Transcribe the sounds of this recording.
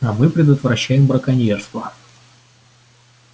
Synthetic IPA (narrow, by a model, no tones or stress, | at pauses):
ɐmɨpɾʲɪd̪ət̪vɾɐɕːæjɪmbɾəkɐnʲerst̪və